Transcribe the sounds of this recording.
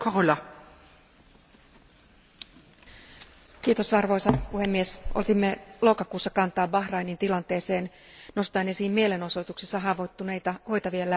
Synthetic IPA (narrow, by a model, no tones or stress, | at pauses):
kʰoʁulɑ | k̟iːt̪o̞sɑrʋo̞jsɑpuhe̞mːiesʔolt̪imːelo̞kɑkuːsːɑkɑnt̪ɑːbɑxrɑjnint̪ilɑnt̪e̞ːse̞ːn | no̞st̪ɑːnesiːmmiele̞no̞so̞t̪uksesːɑɦɑːʋot̪ːunejt̪ɑho̞jt̪ɑʋielæ